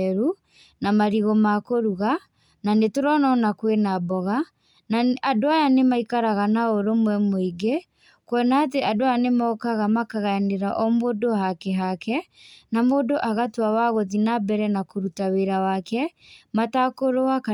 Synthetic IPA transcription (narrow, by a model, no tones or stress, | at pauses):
ɾu | namaɾiɣɔmakoɾuɣa | nanetoɾɔnɔnakwenabɔɣa | naadoajanemaikaɾaɣanaoɾomwɛmoiɡe | kwɔnaːt̬eʔadoanemɔːkaɣamakaɣaaneɾaʔɔmodoɦakeɦakɛnamodoʔaɣatwawaɣoðinabɛɾɛnakoɾutaweɾawakɛmatakoɾoaka